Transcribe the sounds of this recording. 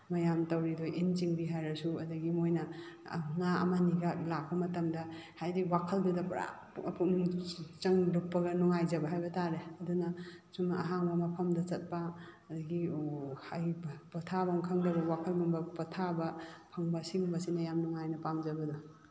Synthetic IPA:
mɐjamtɐwɾidojʔint͡ʃiŋbiɦajɾɐsuɐdɐɡimojnɐ | ŋaɐ̰maniɡɐlak̚pɐmɐtɐmdɐhajdiwakʰɐldudɐpɾa̰ | pʰunt͡ʃɐŋluk̚pːɐɡɐnɔŋajzɐbɐɦajbɐtaɾeɐdunɐsumɐ̰ɦaŋbamɐpʰɐmdɐt͡ʃɐt̚paː | dɐɡihajpɐtʰabaŋkʰɐŋdɐbɐwakʰɐlɡumbɐpɐtʰabɐpʰɐŋbɐsiŋbɐsinɐjamnɔŋajnɐpamzɐbɐdɔ

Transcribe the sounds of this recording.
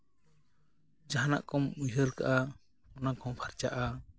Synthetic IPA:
d͡ʒaɦana̰ʔkɔmujɦəɾka̰ʔa | ɔnakɔmpʰaɾt͡ʃaʔa

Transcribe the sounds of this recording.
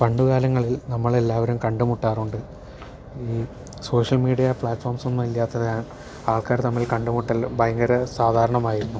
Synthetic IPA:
pɐɳɖukaːlɐŋːɐɭilnɐmːɐɭe̞lːaːʋɐɾumkɐɳɖumuʈːaːruɳɖɨ | iː | so̞ːʂɐlmiːɽijɐpɭaːʈːfoːrmso̞nːumilːaːt̪ːɐðaːn | aːɭkaːɾt̪ɐmːilkɐɳɖumuʈːɐlbɐjɐŋɡɐɾɐsaːd̪ʱaːɾɐɳɐmaːjiɾunːu

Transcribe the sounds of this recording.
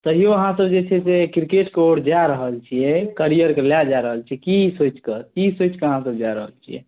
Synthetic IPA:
t̪əɦijoəɦãsəbd͡ʒet͡ʃʰɛsekɾikeʈkeoɽd͡ʒaɾəɦəlt͡ʃʰijɛkəɾijəɾkelad͡ʒaɾəɦəlt͡ʃʰiɛkisot͡ʃkəkisot͡ʃkeəɦãsəbd͡ʒaɾəɦəlt͡ʃʰijɛ̰

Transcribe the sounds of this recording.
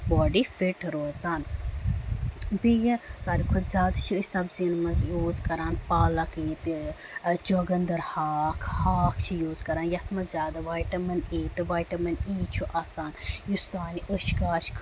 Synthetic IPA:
bɔːɖifiʈɾoːzaːn | bijɐzaːɾikʰud̪zʲjaːd̪t͡ʃʰisɐbzinmɐnzjoːzkɐɾaːnpaːlɐkit̪i | d͡ʒɐɡɐnd̪ɐɾhaːkʰhaːkʰt͡ʃʰijoːzkɐɾaːnjɐt̪ʰmɐzʲjaːd̪aʋaːjʈɐmɐneːt̪ɨʋaːjʈɐmɐniːt͡ʃʰuʔaːsaːnjusaːniʔəʃɡaːʃkʰ

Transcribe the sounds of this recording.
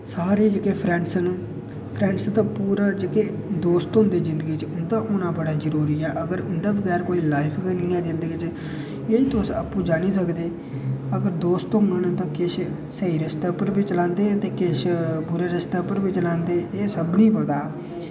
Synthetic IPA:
saːɾeːd͡ʒekeːpʰɾɛ̃ɳʈsənː | pʰɾɛ̃ːɳʈst̪ãːpuːɾaːd͡ʒekeː | d̪oːst̪ʊ̃nd̪eːzɪ̃nd̪əɡiːt͡ʃʊnd̪aːʔʊnãːbəɽaːzəɾuːɾiːɛːʔəɡəɾʊnd̪aːʋəɡɛːɾkoːiːlaːɪpʰkəɾnĩːãːd̪ɪnd̪eɡɪt͡ʃ | eːt̪oːsə̰pːũːd͡ʒaːniːs̬əkd̪eː | əɡəɾd̪oːst̪ʊ̃ŋɡənt̪ãːkɪʃ | səiːɾɪst̪əːpəɾbiːt͡ʃlãːnd̪eːət̪eːkɪʃpʊɾeːɾəst̪əːpəɾbiːt͡ʃəlãːnd̪eːʔeːsəbniːpəld̪aː

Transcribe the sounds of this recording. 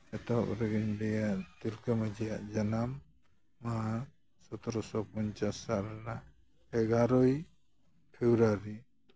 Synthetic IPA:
ɛt̪ɔa̰pɾɛɡiɲbɛjaʔt̪ilkamad͡ʒijaʔd͡ʒanamː | a | sɔt̪ɔɾɔsɔpɔɲt͡ʃasaɾna | ɛɡaɾɔj | pʰɛbɾaɾi

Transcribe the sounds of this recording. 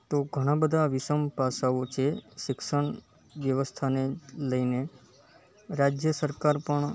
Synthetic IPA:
t̪oɡʱəɽ̃ãbəd̪ʱaʋɪsəmpasaʋot͡ʃʰeʃɪkʃəɳ | ʋjəʋəst̪ʰaneləine | ɾad͡ʒjəsəɾkaɾpəɳ

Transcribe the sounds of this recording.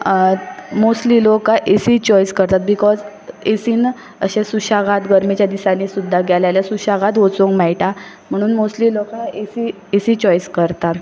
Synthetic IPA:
mosliːlokaʔesit͡ɕɔjskəɾt̪at̪̚bikɔd͡z | esiːn | əɕẽsuɕaɡat̪ɡəɾmet͡ɕjad̪isanisud̪ʱːaɡjaljaljasuɕaɡat̪ɦot͡soŋkmɛjʈa | m̤əɽ̃uːnmosliːlokaesi | esiːt͡ɕɔjskəɾt̪at̪

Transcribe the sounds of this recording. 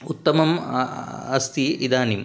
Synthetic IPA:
ut̪ːɐmɐm | ɐst̪iid̪aːnim

